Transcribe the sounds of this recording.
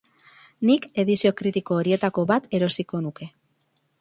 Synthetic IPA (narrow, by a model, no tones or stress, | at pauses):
nike̞ðisio̞kɾit̪iko̞ːɾie̞t̪ako̞βat̪e̞ɾo̞siko̞nuke̞